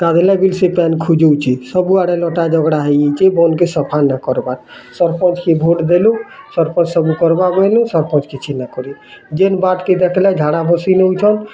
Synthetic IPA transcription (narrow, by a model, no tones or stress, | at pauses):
t̪ad̪elabilsepɛnkʰud͡ʒowt͡ʃʰisɔbuaɽelɔʈad͡ʒɔɡɽaɦejet͡ʃʰebɔnkesɔpʰanakɔɾbaɾ | sɔɾpʰɔt͡ʃkibʱoʈd̪elu | sɔɾpʰɔ̃nt͡ʃsɔbukɔɾbabɔjlũsɔɾpʰɔ̃t͡ʃkit͡ʃʰinakɔɾi | d͡ʒenbaʈked̪ɛkʰlad͡ʒʱaɽabɔsineut͡ʃʰɔn